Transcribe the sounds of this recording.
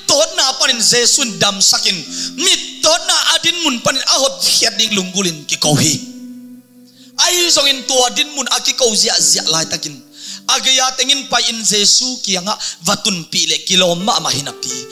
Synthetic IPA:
d̪ɔt̪̚napaninzɛsuindamsakinmit̪̚ːɔt̪̚naʔadinmunpaninaɦɔt̪̚hʰiɐt̪̚dik̚luŋɡulinkikowhi | ɐhizɔŋint̪uɐdinmunakikowziaʔziaʔlaːjt̪akinaɡejat̪ɛŋinpajinzɛsuːkiaŋa̰ʔvat̪unpiʔlɛʔkilɔmːa̰ʔmahinaʔpi

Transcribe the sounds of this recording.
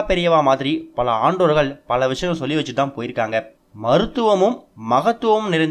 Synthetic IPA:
pɛɾɪjɐʋaːmaːðɪɾipɐlɐaːɳɖoːɾɣɐɭpɐlɐʋɪʂɐjɐ̃msɔlːiʋɐt͡ʃːɯt̪ːaːnpoːjɪɾɯkːaːŋɡɐ | mɐɾɯt̪ːɯʋɐmɯmːɐɣɐt̪ːɯʋɐmɯmnɪɾɐnd̪

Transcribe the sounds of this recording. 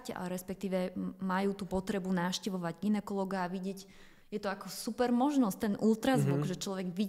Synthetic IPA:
ca̰ɾɛspɛk̚t̪iːʋɛmajuːt̪upɔt̪ɾɛbunaːfʃcɛʋɔʋaɟɡinɛkɔlɔɡaːʋiɟɪɛɟ | jɛt̪ɔakɔsupɛɾmɔʒnɔsct̪ɛnʔult̪ɾazʋuɡʒɛt͡ʃlɔʋɛɡʋi

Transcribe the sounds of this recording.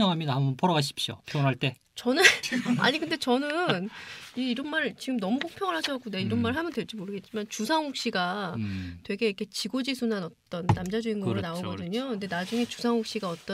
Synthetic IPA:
ʌŋɦamɲidahambʌnpʰʌɾʌɡaɕ̬ʰi̥p̚ɕ͈jo̰pʰjonɦaɭt͈e̞ | t͡ɕʌnɯna̰ɲikʰɯnde̞t͡ɕʌnɯniːɾʌnmaɭt͡ɕiɡɯmnʌmukok̚pʰjʌŋɯɭɦaɕʰʌk͈undeiɾʌnmaɭɦamjʌndwe̞ɭt͡ɕ͈imoɾɯɡe̞t̚t͡ɕ͈imant͡ɕusʰaŋɦok̚ɕ͈iɡa | twe̞ɡe̞ikʰe̞t͡ɕiɡod͡ʑisʰunanʌt͈ʌnːamd͡ʑad͡ʑuinɡʌɾonaoɡʌdɯɲokɯnde̞nad͡ʑuŋe̞t͡ɕusʰaŋɦok̚ɕ͈iɡaʌt͈ʌ

